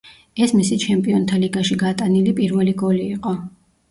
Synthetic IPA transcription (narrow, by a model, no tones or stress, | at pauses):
ɛsmisit͡ʃʰɛmpʼiɔnt̪ʰaliɡaʃiɡat̪ʼanilipʼiɾvɛliɡɔliːqʼɔ